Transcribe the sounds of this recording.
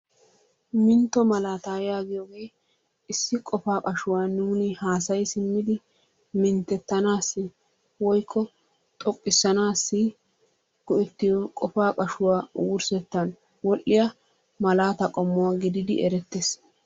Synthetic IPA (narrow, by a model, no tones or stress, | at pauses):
mɪnt̪ːɔmɐlaːt̪aːjjaːɡɪjɔːɡe̞ː | ɪsːɪkʼɔfaːkʼɐʃʊwaːnuːnɪhaːsɐjsɪmːɪd̪ɪ | mɪnt̪ːɛt̪ːɐnaːsːɪ | wɔjkʰːɔ | t̪ʼɔkʼːɪsːɐnaːsːɪ | ɡ̥ɔʔɛt̪ːɪjɔkʼɔfaːkʼɐʃʊwaːwʊɾsɛt̪ːɐn | wɔlːɪjɐ | mɐlaːt̪ɐkʼɔmːʊwaːɡɪd̪ɪd̪ɪɛɾɛt̪ːeːs